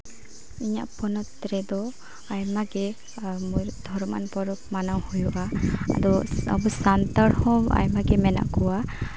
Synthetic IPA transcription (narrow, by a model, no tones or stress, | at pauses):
iɲa̰ʔpɔnɔt̪ɾɛd̪ɔ | ajmaɡɛ | muɾd̪ʱɔɾma̰npɔɾɔp̚manawhujɔʔaa̰d̪ɔa̰busant̪aɾhɔ̃wa̰jmaɡɛmɛna̰ʔkɔwa